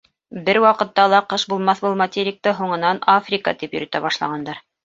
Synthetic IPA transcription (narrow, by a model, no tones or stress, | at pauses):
bɘɾwɑqɤ̆t̪ːɑlˠɑqɤʃbulˠmɑθbulˠmɐt̪ʲeɾʲɪk̚t̪ɤɦuɴɤ̆nɑnafrʲika̰t̪ipjɵ̆ɾɵ̆t̪æbɑʃlˠɑ̰ʁɑnd̪ɑɾ